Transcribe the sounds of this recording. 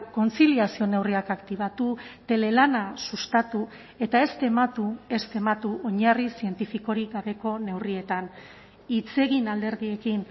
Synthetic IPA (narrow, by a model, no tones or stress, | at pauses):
ko̞nt͡siliasio̞ne̞wriakakt̪iβ̞at̪ut̪e̞le̞lanasust̪at̪u | e̞t̪ae̞st̪e̞mat̪ue̞st̪e̞mat̪uo̞ɲarisie̞nt̪ifiko̞ɾiɣaβe̞ko̞ne̞wrie̞t̪an | it͡se̞ɣ̞inald̪e̞ɾðie̞kin